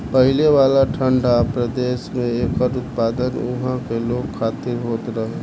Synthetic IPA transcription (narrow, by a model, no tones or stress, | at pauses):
pəɦɪleʋaːlaʈʰəɳɖapɾəd̪eːsmẽeːkɔɾʊt̪paːd̪ənʊɦãkeloːɡkʰaːt̪iɾɦoːt̪ɾəɦe